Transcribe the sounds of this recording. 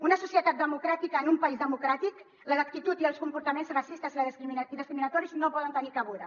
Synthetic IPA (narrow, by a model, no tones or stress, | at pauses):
unəsusjət̪at̪̚d̪əmukɾat̪ikəːnumpaizðəmukɾat̪ik | lələk̚t̪it̪ut̪iəlˠskumpuɾt̪əmenzrasist̪əziləiiðəskɾiminət̪ɔɾiznopɔðənt̪ənikaβuðə